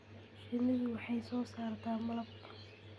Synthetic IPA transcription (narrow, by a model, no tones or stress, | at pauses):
ʃɪnɪðʊwɑħɑjsɔːsaːrt̪ʰaːmɐlɐbkʰʊ